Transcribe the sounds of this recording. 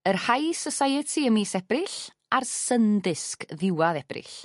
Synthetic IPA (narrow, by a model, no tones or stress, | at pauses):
ərhajsəsajətʰiəmiːsɛbrɪɬ | arsəndɪskðɪwaðɛb̥rɪ̰ɬ